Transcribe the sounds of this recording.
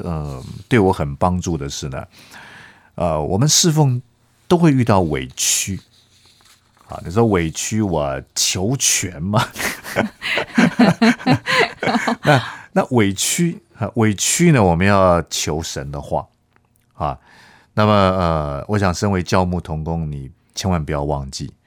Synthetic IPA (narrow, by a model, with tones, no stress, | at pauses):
ə˨˩t̪we˥˩ɪwɔ˧˥xə˨˩npɑ˥ŋʈ͡ʂu˥˩d̪ə˩ʂɻ̩˥˩nə̰˩ | ʔə̰˧wʔɔ̰˨˩mə˨˦nʂɻ̩˥˧fo˥˧˩ŋ | t̪o˥ʊxwe˥˧ɪy˥˧t̪ɑ˥˩ʊwḛ˨˩ɪt͡ɕʰy˥ | xa̰˨nḭ˨˩ʂwe˨˩ɪt͡ɕʰy˥wɔ˨˩t͡ɕʰjo˧˥ʊt͡ɕʰɥɛ˧˥nmɐ˨ | na˥˨na˥˨we˨˩ɪt͡ɕʰy˥˨ | wʔe˨˩ɪt͡ɕʰy˥nə˨wɔ˨˩mə˦njɑ˥˩ʊt͡ɕʰjo˧˥ʊʂə̰˧˦nd̪ə˨xwa̰˥˩ | a̰˨ | na˥˩mə˨ə˨˩wʔɔ˧˦˥ɕ̬jɑ˨˩ŋʂə˥nwe˧˥ɪt͡ɕjɑ˥˧ʊmu˥˩t̪ʰʊ˧˥ŋkʊ˥ŋni˨˩ | t͡ɕʰjɛ˧˥nwa˧˥npu˨˩jɑ˥˧ʊwɑ˥˧ŋt͡ɕḭ˥˩